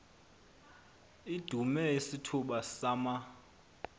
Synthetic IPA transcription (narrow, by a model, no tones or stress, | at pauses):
id̥ʱumɛisitʰuɓasaːma